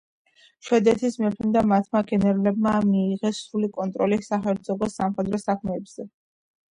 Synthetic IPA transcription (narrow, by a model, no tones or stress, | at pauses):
ʃwɛd̪ɛt̪ʰismɛpʰɛmd̪amat̪ʰmaɡɛnɛɾulɛb̚mamiːʁɛsɾulikʼɔnt̪ʼɾɔlisaχɛɾd̪zɔɡɔsamχɛd̪ɾɔsakʰmɛːbz̥ɛ